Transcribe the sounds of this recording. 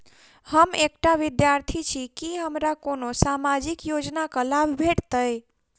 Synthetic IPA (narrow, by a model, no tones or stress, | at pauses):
həmekʈaʋid̪jaɾt̪ʰit͡ʃʰikiɦəmɾakonosamad͡ʒikjod͡ʒnakəlabʱbʱeʈt̪əj